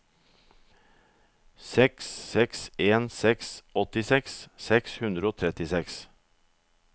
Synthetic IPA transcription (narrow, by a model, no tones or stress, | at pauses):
sɛksːɛkseːnsɛksɔt̪ɪsɛkssɛkshʉnd̪ɾəoːt̪ʰɾɛt̪ɪsɛks